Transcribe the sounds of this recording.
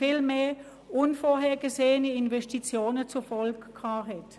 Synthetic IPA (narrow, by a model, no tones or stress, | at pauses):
filmeː | ʔʊnfoːɐhɛːɐɡəzeːənəɪnvɛstit͡sjoːnət͡sufɔlɡkʰhɑːɦɛt